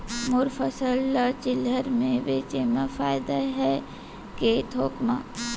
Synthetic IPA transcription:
mʊɾfəsəlːət͡ʃɪləɾmẽʋeːt͡ʃemafaːjd̪aɦɛ | keːt̪ʰoːkma̰ː

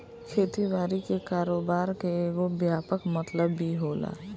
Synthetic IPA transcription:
kʰeːt̪iʋaːɾikekaːɾoːbaːɾkeeːɡobjaːpəkmət̪ləbːʱiɦoːla̰ː

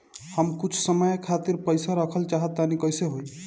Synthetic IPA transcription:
həmkut͡ʃʰsəməjkʰat̪iɾpəjsaɾəkʰəlt͡ʃaɦət̪ːanikəjseɦoj

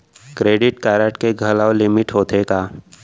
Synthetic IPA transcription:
kɾeːɖɪʈkaːɾəʈkeɡʱɐlaːwlɪmɪʈɦoːt̪ʰekaː

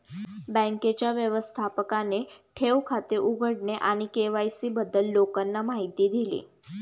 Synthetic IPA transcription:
bə̃ŋket͡ɕjaʋjəʋəst̪ʰapəkaneʈʰeʋkʰat̪eʔuɡʱəɽneʔaɽ̃ikeʋajsiːbəd̪ːəlːokanːamaɦit̪iːd̪ʱilḭː

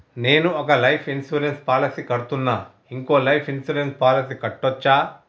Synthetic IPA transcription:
ne̞ːnuɔkɐlɐjpʰinsuːɾenspaːlɐsikɐɽut̪unːaː | iŋko̞ːlɐjpʰinsuːɾenspaːlɐsikɐʈːɔt͡ʃːaː

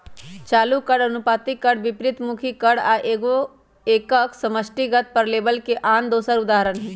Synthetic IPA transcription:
t͡ʃaːlukəɽənʊpaːt̪ikəɽʋɪpɾɪt̪mʊkʰikəɽaːʔeɡo | eːkəksəməsʈiɡət̪̚pəɾleːbəlkeʔaːnd̪oːsəɾʊd̪aːɦəɾənɦː

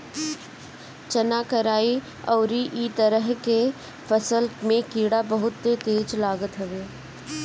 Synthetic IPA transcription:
t͡ʃɐnaːkəɾaːi | ɔːɾiʔiːt̪əɾəɦke | fəsəlmẽkiːɽabɐɦʊt̪ːet̪eːd͡ʒlaːɡət̪ɦɐʋeː

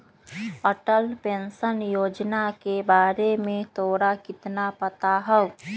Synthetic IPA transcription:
əʈəlpẽnsənjoːd͡ʒnakebaːɾemẽt̪ʰoːɾakɪt̪napət̪aɦə

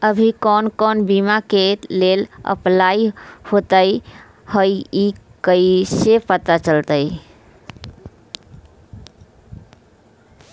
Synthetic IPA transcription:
əbʱikɔnkɔnbimakelelə̰plaihot̪əj | həjikəisepət̪at͡ʃəlt̪ə

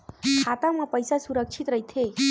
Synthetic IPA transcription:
kʰat̪amãpəjsasuɾək̚t͡ʃʰit̪ɾəit̪ʰe

